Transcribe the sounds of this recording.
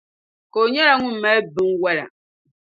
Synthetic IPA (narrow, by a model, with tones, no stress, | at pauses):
ko˨ɲɛ˦la˦ŋu˦m˨ma˦bi˦ŋ˦wɛ˦la̰˨